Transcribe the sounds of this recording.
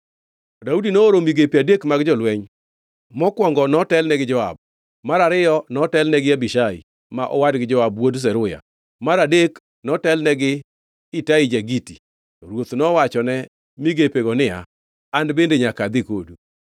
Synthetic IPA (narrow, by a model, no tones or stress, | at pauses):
daudinooɾomiɡepadekmaɡd͡ʒɔlwɛɲ | mɔkwɔŋɡɔnɔtɛlnɛɡɪd͡ʒɔa̰b̚ | maɾaɾɪjɔnɔtɛlnɛɡɪabiʃaḭ | maʔɔwadɡɪd͡ʒɔabwods̬ɛɾʊja̰ | maɾadek | nɔtɛlnɛɡɪ | ɪtaid͡ʒaɡiti | tɔɾwot̪nɔwat͡ʃɔnɛ | miɡepeɡɔnɪja̰ | andbendeɲakad̪ɪkodu